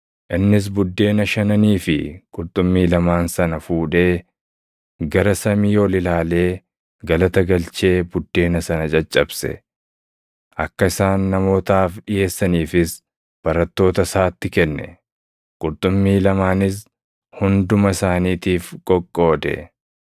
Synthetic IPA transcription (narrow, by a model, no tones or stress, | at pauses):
ʔɪnːɪs̬bʊd̪ːe̞ːnɐʃɐnɐniːfɪkʼʊɾt̪ʼʊmːiːlɐmaːnsɐnɐfuːᶑe̞ː | ɡɐɾɐsɐmijo̞ːlɪlaːle̞ː | ɡɐlɐt̪ɐɡɐlt͡ʃe̞ːbʊd̪ːe̞ːnɐsɐnɐt͡ʃʼɐt͡ʃʼːɐbsɛ̰ | ʔɐkːɐɪsaːnːɐmo̞ːt̪aːfɗɪje̞ːsːɐniːfɪs | b̥ɐɾɐt̪ːo̞ːt̪ɐsaːt̪ːɪkɛnːɛ̰ | kʼʊɾt̪ʼʊmːiːlɐmaːnɪs̬ | hʊnd̪ʊmɐsaːniːt̪iːfkʼɔkʼːo̞ːd̪ɛ̰